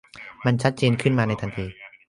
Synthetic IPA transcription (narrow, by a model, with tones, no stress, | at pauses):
ma˧nt͡ɕʰa˦˥t̪̚t͡ɕeː˧nkʰɯ˥˩nmaː˧na˧jt̪ʰa˧nt̪ʰiː˧